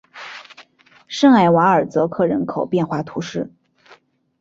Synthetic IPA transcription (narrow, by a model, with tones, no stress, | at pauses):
ʂɤ˥˩ŋa˧˥˩ɪwa˧˥ə˞˨˩t͡sɤ˧˥kʰɤ˥˩ɻə˧˥nkʰo˨˩ʊpjɛ˥˧nxwa˥˩t̪ʰu˧˥ʂɻ̩˥˩